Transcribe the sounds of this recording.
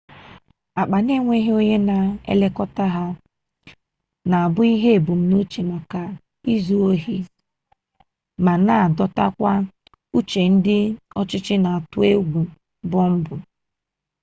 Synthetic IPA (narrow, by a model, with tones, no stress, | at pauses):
a˨k͡pa˨ne˦ŋʷe˦ɦe˦o˦ɲe˦na˨ḛ˦le˦kɔ˦ta˦ɦa˦ | na˨a˨bʊ˦i˦ɦe˦e˨bu˨m̩˦no˦t͡ʃe˨ma˨ka˨ | i˦zu˦o˦ɦi˦ | ma˨na˦˨dɔ˦ta̰˦kʷa˦ | u˦t͡ʃe˨n̩˦dɪ˦ɔ˦t͡ʃɪ˦t͡ʃɪ˦na˨a˨tʊ˦e˦ɡʷu˨ | bɔ˦m̩˦bʊ˨